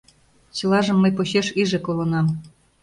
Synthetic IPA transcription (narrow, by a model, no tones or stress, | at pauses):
t͡ɕɤ̆lɑʒɤ̆mːɤ̆jpoɕeʃiʒĕkolɤ̆nɑm